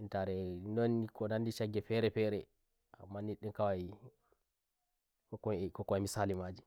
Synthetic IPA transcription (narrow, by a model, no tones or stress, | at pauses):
intaɾɛnɔnːikɔnandiʃaɡɛfɛɾɛfɛːɾɛ | a̰mːaniɗɛnkawa | kɔkːɔkɔkːɔɛmisaːlimad͡ʒi